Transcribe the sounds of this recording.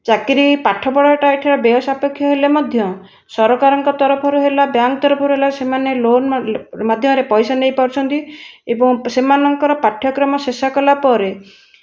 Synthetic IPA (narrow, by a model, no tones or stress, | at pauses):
t͡ʃakiɾipaʈʰɔbɔɽɔɔʈajʈʰiɾɔbɔɔsapekʰːjɔɦelemɔd̪ʱjɔ | sɔɾɔkaɾɔŋkɔt̪ɔɾɔpʰɔɾuɦelabjaŋkt̪ɔɾɔpʰɔɾuɦelasemanelonmad̪ʱjɔmɾepɔjsanejpɔɾt͡ʃʰɔnt̪iebɔŋsemanɔŋkɔɾɔpaʈʰjɔkɾɔmɔsesakɔlapɔɾe